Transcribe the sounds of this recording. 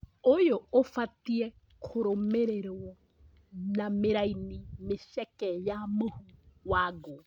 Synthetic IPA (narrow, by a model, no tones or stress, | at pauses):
ojoofatiɛ | kʰoɾomeɾeɾɔ | nameɾainimeʃɛkɛjamohuwaɡo